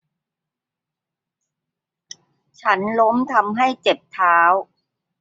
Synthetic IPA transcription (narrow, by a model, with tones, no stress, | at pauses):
t͡ɕʰa˦˥nlo˦˥mt̪ʰa˧mɦa˥˩jt͡ɕe˨˩p̚t̪ʰaː˦˥w